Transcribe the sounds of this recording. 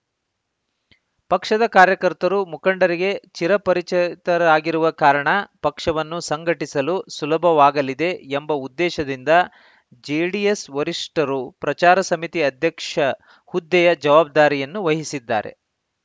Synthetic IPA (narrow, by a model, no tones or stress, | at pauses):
pɐkʂɐd̪ɐkaːɾjɐkɐɾt̪ɐɾumukɐɳɖɐɾiɡe̞t͡ʃiɾɐpɐɾit͡ʃɐt̪ɐɾaːɡiɾuʋɐkaːɾɐɳɐpɐkʂɐʋɐnːusɐŋɡʱɐʈisɐlusulɐbʱɐʋaːɡɐlid̪e̞ːmbɐud̪ːɛːʃɐd̪ind̪ɐ | d͡ʒiɽijesʋɐɾiʂʈɐɾupɾɐt͡ʃaːɾɐsɐmit̪iɐd̪ʱjɐkʂɐ | hud̪ːɛjɐd͡ʒɐʋaːb̚d̪aːɾijɐnːuʋɐɦisid̪ːa̰ːɾe̞̰